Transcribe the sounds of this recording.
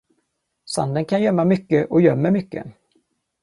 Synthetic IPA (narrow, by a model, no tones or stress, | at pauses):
sa̰nd̪ənkʰanjœmːamʏkːəʔɔjœmːəmʏkːə̰